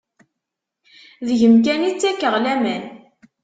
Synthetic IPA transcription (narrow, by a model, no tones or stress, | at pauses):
ðʝəmk̬ænit͡sːækːəʁlæmæn